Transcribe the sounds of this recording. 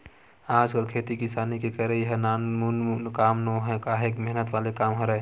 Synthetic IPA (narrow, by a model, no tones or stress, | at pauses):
aːd͡ʒkəlkʰet̪ikisaːnikekəɾẽjəɦənaːnmunnkaːmnoɦɛ̃kaɦeːkmɛɦnət̪ʋaːlekaːmɦəɾɛ